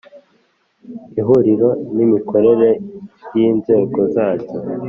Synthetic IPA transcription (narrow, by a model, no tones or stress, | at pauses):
iɦuɾiɾo̞nimiko̞ɾe̞ɾe̞jiːnze̞ːɡo̞zaːɟo